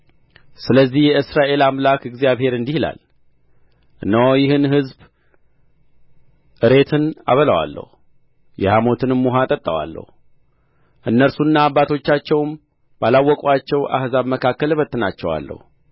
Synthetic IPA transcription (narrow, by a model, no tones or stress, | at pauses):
sɨləzːihjɛɨsɾaʔe̞lamlakɨɡzijaβhe̞ɾɨnd̪ihla̰l | ʔɨnːawjɪhɨnhɨzb | ʔɨɾe̞t̪ʰɨna̰βəlawa̰lːə̰hu | jɛhamo̞t̪ʰɨnmːuɦat̪ʼət̪ʼːəwa̰lːə̰hu | ʔɨnːəɾsunːaːbːat̪ʰo̞t͡ʃːat͡ʃːɛwm | b̥alawːɔkʼat͡ʃːɛwʔa̰hzaβməkʰakːəlɨβət̪ʼːɨnat͡ʃːɛwa̰lːə̰hu